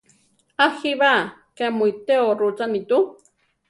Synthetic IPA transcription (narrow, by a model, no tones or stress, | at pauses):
axiβa | kemujt̪eoɾut͡sanit̪u